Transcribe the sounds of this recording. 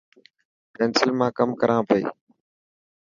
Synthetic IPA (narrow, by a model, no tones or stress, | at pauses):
pɛ̃ːnsəlmãːkəmkəɾãːpəḭː